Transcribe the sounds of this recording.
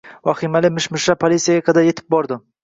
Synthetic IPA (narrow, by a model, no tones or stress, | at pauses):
vɒχimalɪmɪʃmɪʃapʰolʲit̪sʲijaɡaqʰɑd̪aɾje̞t̪ʰɪ̥p̚bɒɾd̪ɪ